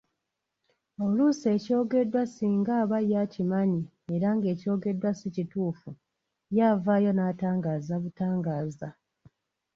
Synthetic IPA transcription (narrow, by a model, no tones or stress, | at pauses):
o̞luse̞ːco̞ːɡe̞dːwasiːŋɡaːβajacimaɲi | eɾaŋɡe̞ːco̞ːɡe̞dwasicituːfu | jaːvaːjo̞naːtaːŋɡaːzaβutaːŋɡaːza